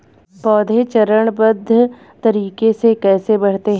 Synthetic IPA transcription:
pɔːd̪ʱet͡ʃɐɾəɽ̃bəd̪ʱːə | t̪ɐɾiːkesekɛːsebɐɽ̤t̪eɦ

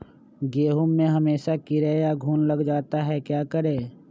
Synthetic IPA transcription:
ɡeːɦʊmːẽɦɐmeːʃakɪɾejaɡʱuːnlɐɡd͡ʒaːt̪aɦɛkjaːkəɾeː

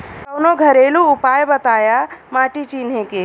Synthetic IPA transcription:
kɐwnoɡʱɐɾeːluʊpaːjbɐt̪aːjamaːʈit͡ʃiːnɦẽke

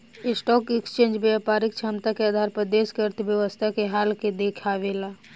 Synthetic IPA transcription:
ɪsʈɔːkɛkst͡ʃẽːnd͡ʒbjapaːɾɪk̚t͡ʃʰamt̪akeaːd̪ʱaːɾpɾəd̪eːskəɾt̪ʋjəʋəst̪ʰakeɦaːlked̪eːkʰaːʋeːlaː

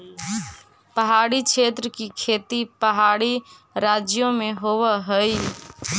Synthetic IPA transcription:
pəɦaːɽikʰeːt̪ɾəkikʰeːt̪ipəɦaːɽi | ɾaːd͡ʒjõmẽɦoːʋəɦəi

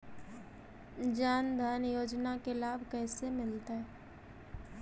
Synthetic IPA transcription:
d͡ʒaːnd̪ʱaːnjoːd͡ʒnakelaːbʱkɛːsemɪlt̪aɦɛ

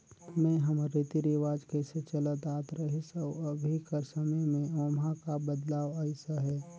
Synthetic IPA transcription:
mɛ̃ɦəmɾit̪iɾiʋaːd͡ʒkeset͡ʃələt̪aːt̪ɾəɦisəəbʱikəɾsəməjmẽoːmɦãkabəd̪laːwəɪsəɦɛː

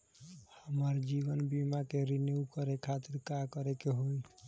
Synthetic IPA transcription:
həməɾd͡ʒibənbimakeɾinjukəɾekʰat̪iɾkakəɾekeɦoj

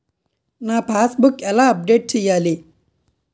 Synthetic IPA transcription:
naːpʰaːsbukɛlaːɐp̚ɖeːʈ̚t͡ʃɛjːaːli

